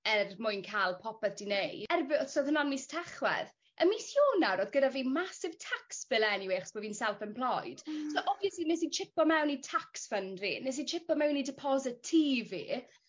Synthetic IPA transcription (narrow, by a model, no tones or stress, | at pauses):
ɛrmʊjnkʰaːlˠpʰɔpɛθd̥inejɛrbɪsoðhənanmistʰɛχwɛ̰ð | əmisjoːnaɾoːðɡədaviːmasɪv̥tʰaksb̥ɪlˠɛniweːχsb̥oviːnsɛlˠfənpʰl̥ˠɔjd̥soʔɔvjɛslinɛsint͡ʃʰɪpɔmɛwnitʰaksfəndrḭnɛs̬int͡ʃʰɪpɔmɛwnidɪpʰɔzɪtʰːiːvḭ